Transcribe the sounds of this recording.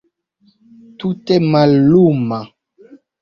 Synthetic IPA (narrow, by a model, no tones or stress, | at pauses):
tutɛmaluma